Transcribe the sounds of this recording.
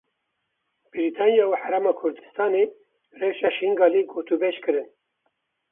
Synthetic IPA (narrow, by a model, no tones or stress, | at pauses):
b̥iɾit̪ʰɑːnjɑːuħaɾaːmɑːkʰʊɾd̪ɨst̪ɑːneː | rewʃɑːʃiŋɡɑːliɡoːt̪ubeʃkɨɾɨn